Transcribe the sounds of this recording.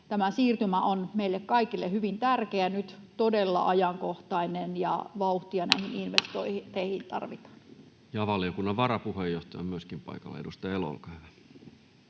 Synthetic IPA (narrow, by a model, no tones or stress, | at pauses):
t̪æmæsiːrt̪ymæʔonmeilːekkɑikilːehyʋint̪ærkeænyt̪t̪odelːɑ̰ʔɑjɑŋkoht̪ɑinenjɑ̰ʋɑuht̪iɑnæ̰ihininʋest̪oiht̪eihint̪ɑ̰rʋit̪ɑ̥ːn | jɑʋɑlijokunːɑʋʋɑɾɑpuhejːoht̪ɑjɑ̰myøskimpɑ̰ikɑ̰lːḛdust̪ɑjelo̰lkɑyʋæ